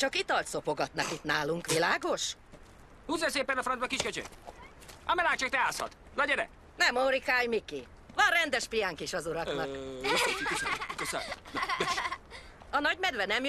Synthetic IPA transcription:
t͡ʃɒkit̪ɒlt̪so̞po̞ɡɒt̪nɒkit̪naːluŋkʋilaːɡo̞ʃ | huːzɛnseːpːɛnɒfrɔnd̪bɒkiʃkøt͡ʃø̰k | ɒmɛlaːkt͡ʃɒkt̪ɛaːshɒ̰t̪ | nɒɟɛɾɛ̰ | nɛmoɾikaːjmiki | vɒnrɛnd̪ɛʃpijaŋkiʃɒzuɾɒknɒk | ʃs | ɒnɒɟmɛd̪ʋɛnɛmj

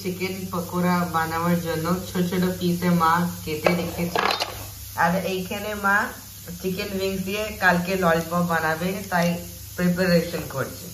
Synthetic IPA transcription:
t͡ʃikenpəkoɾabanaʋaɾd͡ʒɔnːot͡ʃʰɔt͡ʃʰəɽopisemãket̪ed̪ekʰet͡ʃʰe | aɾeʔejkʰenemã | t͡ʃikenʋiŋɡsd̪iekalkelɔlɖbɔ̃banabet̪aj | pɾepəɾeʃənkɔɾt͡ʃʰe

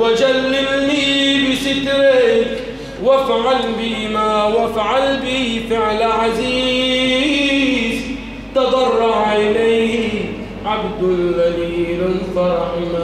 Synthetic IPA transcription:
wad͡ʒalːɪmniːbɪsɪt̪ɾe | wafʕalbɪmaːwafʕalbɪhɪfɪʕlaʕaziː | z | t̪ɑd̪ˤɑrˤːɑʕʔɪlajhɪ | ʕabd̪ʊlɣaliːlfɑɾˤɑħɪma

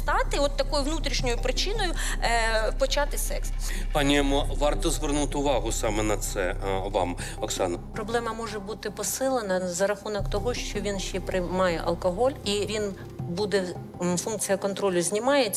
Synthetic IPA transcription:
t̪ɑt̪ɪɔt̪ːɐkɔjʊʋnut̪ɾʲiʃnʲɔjʊpɾɪt͡ʃɪnɔjʊ | pɔt͡ʃɑt̪ɪsɛkspɑnʲɪjɐmɔʋɑrt̪ɔzʋernut̪ɪʊʋɑɦʊsɑmɛnɐt̪sɛ̰ʋɑ̰m | ɔksɑ̰nɐpɾɔblˠɛmɐmɔʒɛbut̪ɪpɔsɪlˠenɐzɐɾɐxunɔkt̪ɔɦɔʃt͡ʃɔʋʲinʃt͡ʃɛpɾɪmɑjɛʔɐ̰lˠkɔɦɔlʲiʋʲin | bud̪ɛ | funk̚t͡sʲijɐkɔnt̪ɾɔlʲʊzʲnʲimɑjet͡sʲ

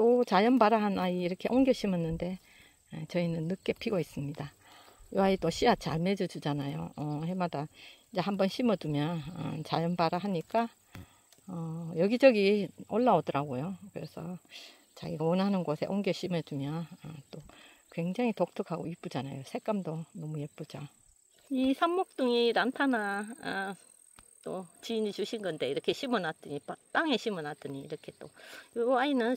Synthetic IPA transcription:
t͈ot͡ɕajʌnbaɾaɦanaiiɾʌkʰeʔoŋɡjʌɕʰimʌnːɯnde̞ | t͡ɕʌinɯnːɯk͈e̞pʰiɡois͈ɯmɲida | joɦait͈oɕʰiat͡ɕaɭme̞d͡ʑʌd͡ʑud͡ʑanajo̰ʌhemadaiɲd͡ʑe̞hambʌnɕʰimʌdumjʌnʌ̰nt͡ɕajʌnbaɾaɦaɲik͈a | ʌjʌɡid͡ʑʌɡioɭːaodʌɾaɡojokɯɾe̞̰sʰʌ̰ | t͡ɕa̰ɡiɡawʌnɦanɯnɡosʰe̞ʔonɡeɕʰimed͡ʑumjʌnʌt͈o | kwe̞ŋd͡ʑaŋitok̚tʰɯkʰaɡoip͈ud͡ʑanajosʰe̞k͈amdonʌmujep͈ud͡ʑa | isʰamːok̚t͈ɯŋinantʰana | t͈ot͡ɕinit͡ɕuɕʰinɡʌnde̞iɾʌkʰe̞ɕʰimɯnat͈ɯɲipat͈aŋe̞ɕʰimɯnat͈ɯɲiːɾʌkʰe̞t͈ooainɯn

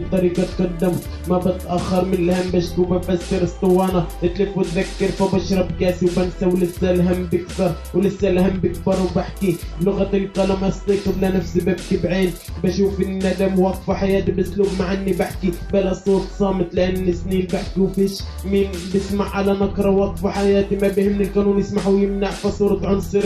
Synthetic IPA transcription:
t̪ːˤɑɾˤiːɡɑt̪̚qɑd̪ːɪm | mabɪt̪ʔaxːɑɾˤmɪnɪlhambæʃt̪ubafasːɪɾɨsˤt̪ːˤɨwːɑːnaʔɪt̪lɪfʊt̪ðakːɑɾfabɑʃɾˤɑbkaːsiwbansawlɪsːalɦamːbɪkθɑɾˤ | wlɪsːalhambɪk̚bɑɾˤwbaħkiblʊɣat̪ɪjt̪ˤːɑlamɑst̪ˤiːqʊd̪lanafsibɪb̚k̪ibʕeːl | bæʃuːfɪnnːæd̪amwɑq̪faħajaːt̪ibɪsluːbmaʕanːibaħkibalasˤːoːɾt̪ˤsˤɑːmɪt̪ˤlɪʔanːɪsniːnbaħkiwfiːʃ | miːnbɪsmaʕʕalanakɾˤɑwɑq̪ˤfaħajaːt̪imabiːhɪmɪnɪlkanuːnjɪsmaʕwjɪmnaʕfasˤuːɾɑt̪ʕʊnsˤɨɾ

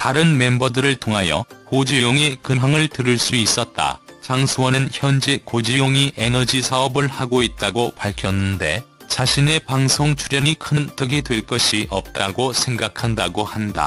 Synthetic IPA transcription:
taɾɯnme̞mbʌdɯɾɯɭtʰoŋɦajʌ̰kod͡ʑijoŋekɯŋɦaŋɯɭtɯɾɯɭs͈uis͈ʌt̚t͈a̰t͡ɕaŋsʰuwʌnɯnçjʌnd͡ʑekod͡ʑijoŋiʔe̞nʌd͡ʑisʰaʌbɯɭhaɡoit̚t͈aɡopaɭkʰjʌnːɯnde̞̰ | t͡ɕaɕʰine̞paŋsʰoŋt͡ɕʰuɾjʌɲikʰɯntɯɡedwe̞ɭk͈ʌɕʰiʔʌ̰p̚t͈aɡosʰe̞ŋɡakʰandaɡohanda̰

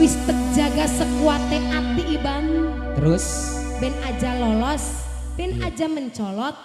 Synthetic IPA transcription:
wɪst̪ək̚d͡ʒaɡasəkuat̪eʔat̪iʔibam | t̪əɾʊs | bɛnḁd͡ʒalɔlɔs | bɛnad͡ʒaməɲt͡ʃɔlɔt̪̚

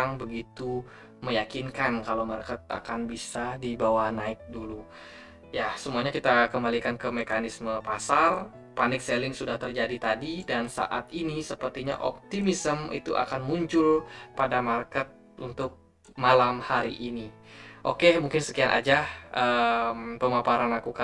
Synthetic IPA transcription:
aŋbəɡit̪u | məjakinkankalomarkət̪̚a̰kanbisadibawahnaɪk̚dulu | jasəmuaɲakit̪akəmbalikankəmekanisməpasar | panɪk̚selɪŋsudaht̪ərd͡ʒadit̪adidansa̰ʔat̪inisəpərt̪iɲa̰ʔɔ̰p̚t̪imisəmḭt̪ṵʔa̰kanmuɲt͡ʃʊlpadamarkət̪̚ | unt̪ʊk̚ | malamhaɾḭʔini | ʔokemuŋkɪnsəkianʔa̰d͡ʒahʔəmpəmapaɾanlakuka

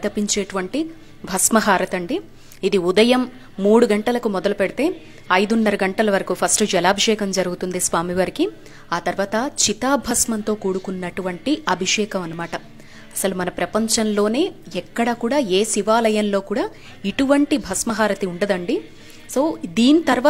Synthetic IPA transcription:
d̪ɐpiɲt͡ʃeːʈuʋɐɳʈi | bʱɐsmɐɦaːɾɐt̪ɐɳɖiː | d̪iud̪ɐjɐmː | uːɽuɡɐɳʈɐlɐkumɔd̪ɐlupeɽit̪e̞ː | ɐjd̪unːɐɾɐɡɐɳʈɐlɐʋɐɾɐkupʰɐsʈud͡ʒɛlaːbʱiʂɛːkɐmd͡ʒɐɾuɡut̪und̪isʋaːmiʋɐɾiki | aːt̪ɐɾʋaːt̪ɐt͡ʃit̪aːbʱɐsmɐnt̪o̞ːkuːɽukunːɐʈuʋɐɳʈiɐbʱiʂɛːkɐmɐnɐmaːʈɐ | ɐsɐlumɐnɐpɾɐpɐɲt͡ʃɐnlo̞ːne̞ːɛkːɐɽɐkuːɽaːeːsiʋaːlɐjɐnlo̞ːkuːɽaː | iʈuʋɐɳʈibʱɐsmɐɦaːɾɐt̪iuɳɖɐd̪ɐɳɖi | so̞ːd̪iːnit̪ɐɾʋaː

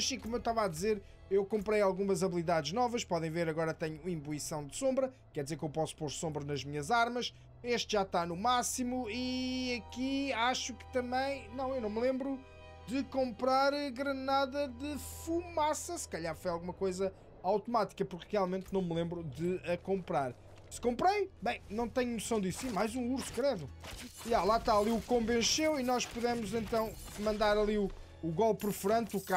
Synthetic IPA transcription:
ɐsĩkomuewʃt̪avad̪izeɾ | ewkõmpɾɐjalˠɣumɐzɐβlˠiðaðʒnɔvɐʃpɔðẽj̃veɾɐɣɔɾɐt̪ɛɲuĩmbuisɐ̃w̃d̪sõmbɾɐ | kɛɾd̪izeɾkewpɔsu̥poɾsõmbɾɐnɐʒmiɲɐzaɾmɐʃ | eʃt̪ʒ̥at̪anumasimuiɐkiaʃukɨ̥t̪ɐ̃mbɐ̃j̃nɐ̃w̃ewnɐ̃w̃mlˠẽmbɾu | d̪ɨkõmpɾaɾɣɾɐnaðɐðɨfumasɐsɨ̥kɐʎaɾfojalˠɣumɐkojzɐ | awt̪umat̪i̥kɐpuɾkʁialˠmẽnt̪̚nɐ̃w̃mlˠẽmbɾuðɨɐkõmpɾaɾ | sɨ̥kõmpɾɐjbɐ̃j̃nɐ̃w̃t̪ɛɲunusɐ̃w̃d̪issĩmajzũuɾskɾɛðuialˠat̪aɐlˠiukõmbẽʃewinɔʃpuðɛmuzẽnt̪ɐ̃w̃mɐ̃nd̪aɾɐlˠiuː | ɣɔlˠpːɾɨfɾɐ̃nt̪uka

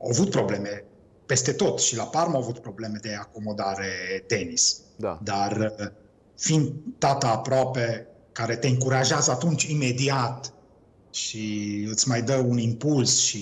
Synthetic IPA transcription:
a̰avut̪̚pɾo̞ble̞me | pe̞st̪e̞t̪o̞t̪ʃilaparmaawavut̪̚pɾo̞ble̞me̞d̪e̞ako̞mo̞d̪aɾet̪e̞nisd̪ad̪ar | find̪d̪at̪aːpɾoape̞ | kaɾe̞t̪e̞ɨŋkuɾaʒeazəat̪unt͡ʃime̞d̪iat̪ | ʃiɨt̪sʲmajd̪əunimpulsʃi

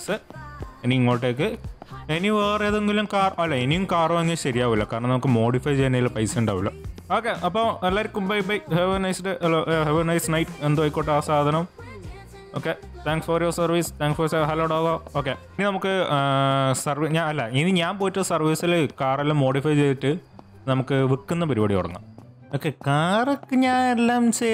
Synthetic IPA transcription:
isɨeniiŋːoːɻɨʈ̬ːeːk̬ːɨeniʋeːrejɐðeŋɡilumkaːrɐmɐlːɐenijumkaːrɐmɐŋːɡilɕɐɾijaːʋilːɐkaːɾɐɳɐmnɐmukːɨmo̞ːɽifɐjt͡ɕeːnɐjilpɐjsɐjuɳɖa̰ːʋilːoo̞ːkːeʔɐpːoːelːaːɾikʲːumbɐjbɐjheʋinɐjsʈeɐloːɦeʋinɐjsnɐjʈːend̪ɨʋɐjkːoːʈːasaːd̪ʱɐnɐm | oːkːe | t̪ʰaːŋksfɐrjoːsɐrʋiːst̪ʰaːŋksfɐɾsɐɦɐloːɖoːɡoːoːkːeininɐmukːɨ | sɐrʋiɲaːnɐlːɐiniɲaːnpoːjiʈːɐsɐrʋiːsilkaːrɐlmo̞ːɽifɐjt͡ɕejiʈːɨ | nɐmukːɨʋikːunːɐpɐɾibɐɽijoɽɐ̰ŋːɐ̰ | oːkːekaːrɐkːɨɲaːnelːaːmt͡ɕe

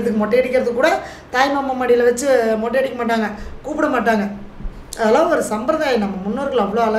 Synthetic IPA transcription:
ðɯkːɯmɔʈːɐɛɽɪkʲːɪɾɐðɯkːuːɽɐ | t̪aːjmɐmːɐmɐːɽɪlɐʋɐt͡ʃːɯmɔʈːɐɽɪkːɐmaːʈːaːŋɡɐkuːpɪɽɐmaːʈːaːŋɡɐ | ɐðɐlaːʋɯɔɾɯsɐmbɾɐðaːjɐnɐmːɐmʊnːoːɾɣɐɭɐʋːɐɭoːɐlɐ

